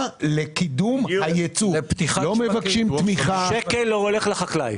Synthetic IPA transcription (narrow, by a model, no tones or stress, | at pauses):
lekid̪umhajet͡supt̪iχlo̞me̞vakʃimt̪miχaʃekelːooleχlaχaklaj